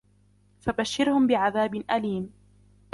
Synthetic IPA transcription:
fabaʃːɪɾhʊmbɪʕaðaːbɪnʔaliːm

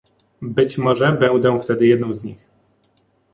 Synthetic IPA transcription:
bɘt͡ɕmɔʐɛbɛnd̪ɛ̃ft̪ɛd̪ɘjɛd̪nɔ̃w̃zɲix

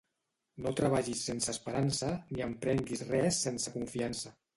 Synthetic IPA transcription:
not̪ɾaβaʒisːensəːspəɾansəniəmpɾɛŋɡisrɛsːensəkuɱfiansə

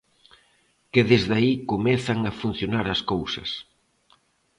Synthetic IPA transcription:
kɪðezðaikomɛθɐŋɐfun̟θjonaɾɐskowsɐ̰s

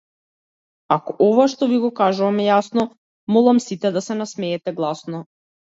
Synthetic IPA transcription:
akɔʔɔvaʃt̪ɔviɡɔkaʒuvamɛjasnɔ | mɔlˠamsit̪ɛd̪asɛnasmɛɛt̪ɛɡlˠasnɔ

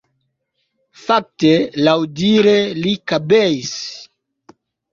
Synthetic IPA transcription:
fak̚telawdiɾelikabeis

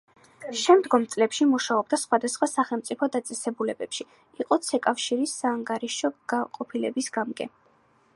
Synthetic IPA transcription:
ʃɛmd̪ɡɔmt̪sʼlɛpʃimuʃaɔb̚d̪asχwad̪asχwasaχɛlˠmt̪sʼipʰɔd̪at̪sʼɛsɛbulɛbɛpʃi | iqʼɔt̪sʰɛkʼafʃiɾisːaːŋɡaɾiʃɔɡaqʼɔpʰilɛ̰bisɡamɡɛ

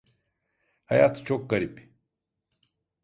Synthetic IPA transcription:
hajat̪t͡ʃʰokːɐɾipi

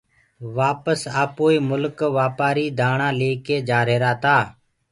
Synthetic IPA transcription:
ʋaːpəsaːpoːiːmʊlkʋaːpaːɾiːd̪ʱaːɳãːleːkeːd͡ʒaːɾeːɾaːt̪aː

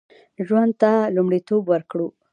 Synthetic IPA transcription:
ʒwand̪̚t̪alumɽit̪obwəɾkɽu

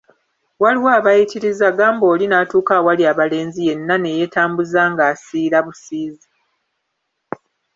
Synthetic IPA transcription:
waliwaːβajitiɾizaɡaːmbo̞ːlinaːtuːkawaliaβale̞ːnzije̞nːane̞je̞taːmbuzaːŋɡaːsiːlaβusiːza

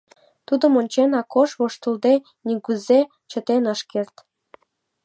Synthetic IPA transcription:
t̪ud̪ə̆monʲt͡ɕenɑkoʃβoʃt̪əld̪e | niɡyze | t͡ɕə̆t̪enəʃkert̪

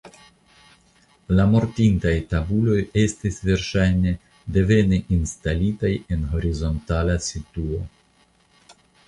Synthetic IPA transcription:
lamo̞ɾtintajtabulo̞je̞stisve̞ɾʃajne̞ | de̞ve̞neʔinstalitaje̞nɦo̞ɾizo̞ntalasituo̞

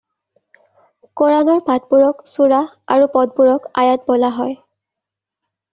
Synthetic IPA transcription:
kɔɹanɔɹbʱat̚buɹɔksuɹa | a̰ɹupɔd̚buɹɔka̰jat̚bɔlaɦɔj

